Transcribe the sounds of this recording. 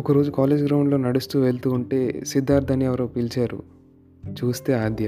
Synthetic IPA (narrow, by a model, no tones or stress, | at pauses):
ɔkɐɾo̞ːd͡ʒukaːle̞ːd͡ʒɡɾɐwɳlo̞ːnɐɽust̪uːʋeɭt̪uːɳʈe̞ːsid̪ːaːɾd̪ʰʱɐniɛʋɐɾɐːpilt͡ʃaːɾṵ | t͡ʃuːst̪e̞ːaːd̪jɐ